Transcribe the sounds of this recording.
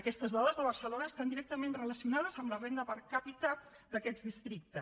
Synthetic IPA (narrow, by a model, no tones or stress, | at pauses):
əkɛst̪əzðɔðəzðəβ̞əɾsəlonəst̪and̪iɾɛk̚t̪əmenrələsiunað̞əzəmlərend̪əpəɾkapit̪ə | d̪əkɛdd͡zðist̪ɾik̚t̪ə